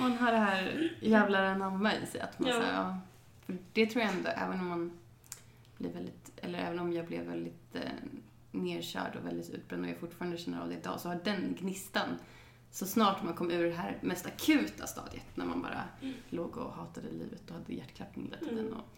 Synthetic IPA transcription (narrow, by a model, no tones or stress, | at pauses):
manɦaɖɛɦæːɾjæːvlaɾɛnamːaɪ̰sɛja̰t̪mansa̰ɑː | fœɖ̥ɛt̪ʰɾuːjaɛnd̪ɔʔɛ̰ːvənɔmːan | b̥lɪvɛld̪ɪt̪ʔɛlːəɾʔɛ̰ːvənɔmjɑːɡblɛvːɛld̪ɪt̪ | neːɾɕœ̰ːɖɔvɛld̪ɪt̪ʉ̟ːt̪̚bɾɛnd̪ɔja̰fʊʈːfɑːɾand̪əɕɛnːəɾa̰vd̪ɛɪd̪ɑ̰ːɔsɔhaɖɛnɡnɪst̪an | sɔsnɑːʈmankʰɔmːʉ̟ːɖɛɦæːɾmɛst̪akʰʉ̟ːt̪a̰st̪ɑ̰ːd̪jə̰t̪næ̰ɾma̰nbɑ̰ːɾa̰loːɡɔ̰hɑːt̪ad̪əlḭːvət̪ɔhad̪ːəjæʈːkʰlap̪̚ɪ̰nɛ̰t̪ʰːd̪ɛnːɔ̰